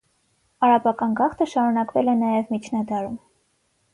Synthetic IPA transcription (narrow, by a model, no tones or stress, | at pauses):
ɑɾɑpɑkɑnɡɑχt̪ʰəʃɑɾunɑkvɛlɛnɑjɛvmit͡ʃʰnɑd̪ɑɾum